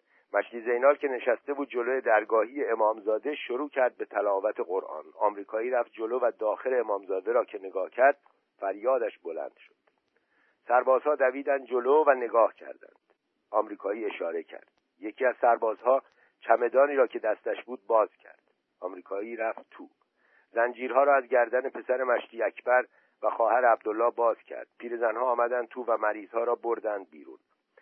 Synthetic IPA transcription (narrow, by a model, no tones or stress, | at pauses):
mæʃliːze̞jnɑːlcʰe̞ne̞ʃæst̪e̞buːd̪̚d͡ʒo̞loje̞d̪æɾɡɒːɦiːjeːmɒːmzɒːd̪e̞ʃoɾuːcʰæɾd̪̚be̞t̪ʰælɒːvæt̪ʰeɣoɾʔɒ̰ːnɒːmɾiːkʰɒːiːɾæft̪̚d͡ʒo̞loːvæd̪ɒːxe̞leːmɒːmzɒːd̪e̞ɾɒːcʰe̞ne̞ɡɒːhcʰæɾd̪̥̚ | fæɾjɒːd̪æʃbolæ̰nd̪̥ʃo̥d̪̥ | sæɾbɒːz̥hɒːd̪æviːd̪ænd̪̚d͡ʒo̞loːvæne̞ɡɒːhcʰæ̰ɾd̪æ̰nd̪̥ | ɒːmɾiːkʰɒːiːe̞ʃɒːɾe̞cʰæ̰ɾd̪̥ | je̞cʰiːæz̥sæɾbɒːzhɒː | t͡ʃʰæme̞d̪ɒːniːɾɒːcʰe̞d̪æst̪æʃbuːd̪̚bɒːz̥cʰæ̰ɾd̪̥ | ʔɒːmɾiːkʰɒːiːɾæft̪t̪ʰuː | zænd͡ʒiːɾhɒːɾɒːæzɟæɾd̪æne̞pʰe̞sæɾe̞mæʃtiːækʰbæɾ | væxɒːhæɾeæb̚d̪olːɒːbɒːz̥cʰæ̰ɾd̪̥̚pʰiːɾe̞zænhɒːmæd̪ænd̪̚t̪ʰuːvæmæɾiːz̥hɒːɾɒːboɾd̪ænd̪̚biːɾṵːn